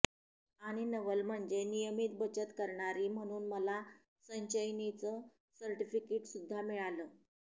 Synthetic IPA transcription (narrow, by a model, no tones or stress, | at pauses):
aɽ̃inəʋəlm̤əɳd͡ʑenijəmiːt̪̚bət͡ɕət̪kəɾɳaɾiːm̤əɽ̃uːnməla | səɲɕəjnit͡sə | səɾʈifikeʈsud̪ʱːamiɭaləː